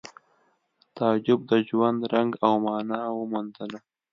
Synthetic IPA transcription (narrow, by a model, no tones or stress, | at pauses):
t̪ɑd͡ʒʊb̚d̪əd͡ʒwand̪ɾaŋɡawmɑːnɑwəmund̪əla